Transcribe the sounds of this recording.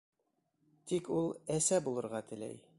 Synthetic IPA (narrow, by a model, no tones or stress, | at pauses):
t̪ikulˠæsæbulˠɤ̆ɾʁɑt̪ɘ̆læ̰j